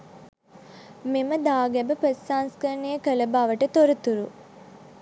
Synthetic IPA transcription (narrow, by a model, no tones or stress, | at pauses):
meməd̪aːɡæbəpəsːaːnskəɾnːejəkələbaːʋəʈət̪oɾut̪uɾu